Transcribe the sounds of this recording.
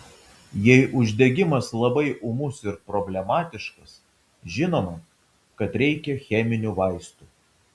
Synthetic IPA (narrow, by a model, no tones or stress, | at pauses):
jɛɪʔʊʒʲd̪ʲɛɡʲɪmɐslˠɐbɐɪʔʊmʊsɪɾpɾɔbʲlʲɛmɑːt̪ʲɪʃkɐs | ʒʲɪnoːmɐ | kɐt̪ɾʲɛɪkʲɛxʲɛmʲɪnʲuːʋɐɪst̪uː